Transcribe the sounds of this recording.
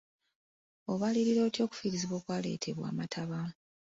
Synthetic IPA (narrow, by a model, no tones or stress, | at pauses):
o̞βaliɾiɾo̞ːtjo̞ːku̥fiɾiziβwo̞ːkwaːle̞̰ːtʰe̞βwa̰ːmatʰaβa